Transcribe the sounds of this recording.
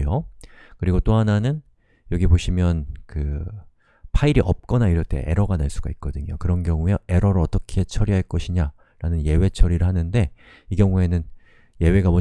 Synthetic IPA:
okɯɾiɡot͈oɦananɯn | jʌɡiboɕʰimjʌnkɯ | pʰaiɾiʔʌp̚k͈ʌnaiɾʌɭt͈ʰḛʔe̞̰ɾʌɡaneɭs͈uɡait̚k͈ʌdɯɲo̰kɯɾʌnɡjʌŋuee̞ɾʌɾoʌt͈ʌkʰe̞t͡ɕʰʌɾiɦaɭk͈ʌɕʰiɲa | ɾanɯnje̞we̞t͡ɕʰʌɾiɾɯɭɦanɯnde̞ | iɡjʌŋue̞nɯn | je̞we̞ɡamʌ

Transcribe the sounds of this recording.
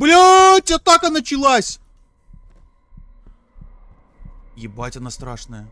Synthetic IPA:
blʲotʲat̪akɐnat͡ɕɪlˠasʲ | jɪbatʲɐnast̪ɾaʂnəjə

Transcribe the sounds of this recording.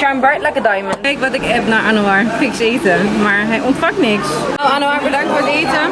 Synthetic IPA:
ʃambɛɹtləkədajmənejkʋɑtɪkɛpnaːɹʔanoaɹfɪkseːtəmaːɹɦɛjʔɔntfɑk̚nɪksoanəaːɹbədɑŋktfoːɹteːjtə

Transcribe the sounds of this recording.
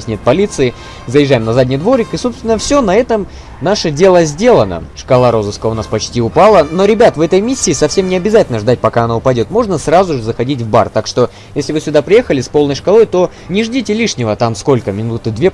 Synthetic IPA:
esʲnʲe̞t̪̚pɐlʲit̪sɨɪ | zəjɪʐːajɪmnɐzadʲnʲɪjd̪vo̞ɾʲɪkɨso̞pst̪vʲɪnəfsʲonɐɛt̪əm | naʂədʲe̞lˠəzʲdʲe̞lˠənə̰ʂkɐlˠaɾo̞zɨskəʊnaspɐt͡ɕtʲiʊpalˠəno̞ɾʲɪbʲat̪vɛt̪əjmʲisʲːɪːsɐfsʲe̞mnʲɪɐbʲɪzatʲɪlʲnəʐd̪at̚ʲpɐkaɐnaʊpɐdʲo̞t̪mo̞ʐnəsrazʊʐɨzəxɐdʲit̬ʲvba̰rt̪akʂt̪o̞ | jjesʲlʲɪvɨsʲʊd̪apɾʲɪje̞xəlʲɪspolˠnəjʂkɐlˠo̞jt̪o̞ | nʲɪʐdʲitʲɪlʲiʂnʲɪvət̪amsko̞lʲkəmʲɪnut̪ɨd̪vʲe

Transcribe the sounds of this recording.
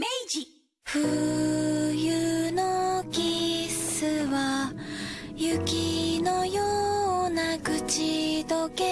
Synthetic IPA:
med͡ʑi | ɸɯ̟ | jɯnokʲisɨβa | jɯkʲinojoːnaɡɯ̟t͡ɕid̪oke

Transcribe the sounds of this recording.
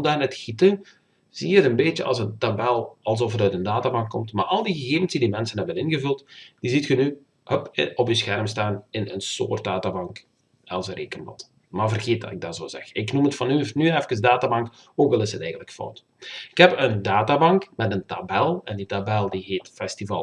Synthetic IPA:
daːnətxitə | z̥iːəətənbeːt͡ʃəɑ̰lˠzəntabɛlˠɑlˠzɔfətœɥtəndaːtabɑŋkːɔmtmaːrɑlˠdiɣəɣeːvənsdidimɛnsənɦɛbənɪnɣəvɵlˠtd̥izitxəny | həpɔpjəsxɛrmstaːnɪnənso̰ːrt̚d̥aːtabɑŋk | ɛlˠzəɾʔeːkəmlɔ̰t | maːrvərɣeːt̚dɑ̰tɪɡ̚dɑzo̰ːzɛ̰xɪknumətfɑnynyɛfkəzdaːtabɑŋk | oːkʋɛlˠɪsɦətɛjɣəntləkfɔ̰wt | ɪkhɛpəndaːtabɑŋkmɛtəntabɛlˠɛnditabɛlˠdiɦeːtfɛstivɑ̰l

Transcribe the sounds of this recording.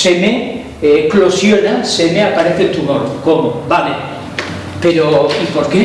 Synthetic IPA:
eme | klosjonasemeapaɾeθet̪umoɾkomobale | peɾoipoɾke

